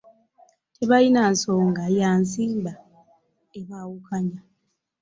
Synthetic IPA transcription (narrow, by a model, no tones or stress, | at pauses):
tʰe̞βainanso̞ːŋɡajaːnsiːmba | eβawukaɲa